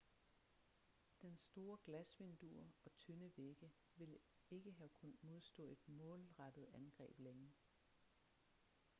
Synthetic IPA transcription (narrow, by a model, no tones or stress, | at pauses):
d̥ensd̥o̝ːɐɡ̥læsʋe̝nd̥ṵɐɒ̽t͡sʰønəʋeɡ̥ə | ʋe̝l | e̝ɡ̥əɦækʰunmo̝ð̞ˠsd̥ɔ̽ːe̝d̥mɔ̰̽ːlʁɑd̥ð̞̩ˠænɡ̥ʁɛ̰ːb̥leŋə